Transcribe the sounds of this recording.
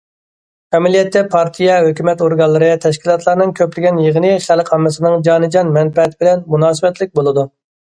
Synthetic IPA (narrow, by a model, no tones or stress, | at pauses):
ɛmɛlijɛt̪ʰːɛpʰɑɾt̪ʰijɛɦøkʲymɛt̪oɾɡɑlˠːɨɾɨt̪ʰɛʃkʲilˠɑt̪ʰlˠɑɾnɨŋkʲʰøplɪɡʲɛnjəʁənɨχælqʰɑmːɨsɨnɨŋd͡ʒɑːnɨd͡ʒɑnmɛnpɛt̪ʰɪbɪlɛnmunɑːsɨbɛt̪lɪk̚ʲbolˠɨd̪u